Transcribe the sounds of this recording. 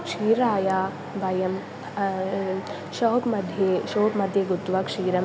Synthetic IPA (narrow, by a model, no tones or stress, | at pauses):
kʂiːɾaːjaː | bɐjɐm | ʃoːkmɐd̪ʱjeʃoːpmɐd̪ʱjɐɡut̪ːʋɐkʂiːɾɐm